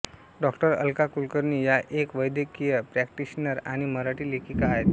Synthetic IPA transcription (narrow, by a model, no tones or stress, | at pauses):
ɖɔkʈəɾə̰lkakulkəɾniːjaʔekʋəjd̪jəkijəpɾæk̚ʈiɕnəɾaɽ̃iməɾaʈiːlekikaɦet̪